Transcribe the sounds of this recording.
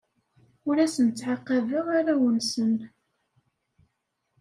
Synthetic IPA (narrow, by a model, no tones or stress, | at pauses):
ʊɾæsənt͡sːʕaqːɑvəʁaɾæwənsən